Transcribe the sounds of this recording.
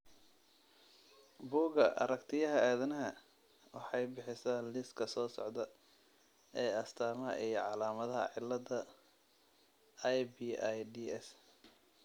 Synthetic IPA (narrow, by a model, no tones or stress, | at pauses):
buːɡɐʔɐ̰ɾɐkt̪ʰɪjɐɦɐaːðɐnɐɦɐ | wɑħɑjbɪħɪsaːlɪskʰɐsɔːsɔ̰ʕd̪ɐ | ɛːɐst̪ʰaːmɐɦɐ̰ʔijʕɑlaːmɐðɐɦɐ̰ʕɪlːɐd̪ɐ | jbiajɖiːɛs